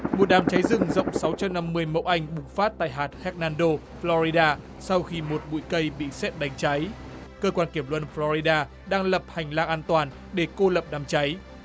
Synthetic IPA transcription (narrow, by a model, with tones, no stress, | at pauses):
mo˨˩t̚ɗaː˨˩mt͡ɕa˨˦jzɨ˨˩ŋzə̰˧˨wŋ͡msa˨˦wt͡ɕa˧mna˧mːɨ˧əjmə̰˧˥˨wʔa˧jŋ̟ɓʊ˨˩ŋ͡mfaː˦˥t̚t̪a̰ː˧˨jɦaː˨˩t̚hɛ˦˥k̚naː˧nɗo˧ | flɔ˧zi˧ɗaː˧ | sa˧wxi˧mo˨˩t̚ɓṵ˧˨jkə˧jɓḭ˧˨sɛ˦˥p̚ɗa˨˦jŋ̟t͡ɕa˨˦j | kəː˧kwaː˧nki˧˩əmlwə̰˧˨nflɔ˧i˧ɗaː˧ | ɗaː˧ŋlə˨˩p̚ha˨˩jŋ̟laː˧ŋʔaː˧nt̪waː˨˩n | ɗe˧˩ko˧lə˨˩p̚ɗaː˨˩mt͡ɕa˨˦j